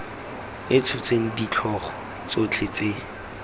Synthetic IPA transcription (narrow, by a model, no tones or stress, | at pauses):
ɪt͡sʰʊt͡seŋ̩dit͡ɬʰɔχɔ̥ | t͡sot͡ɬʰet͡seː